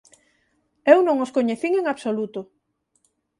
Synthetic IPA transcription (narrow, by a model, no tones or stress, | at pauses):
ewnõŋoskoɲeθiŋeŋaβsolut̪ʊ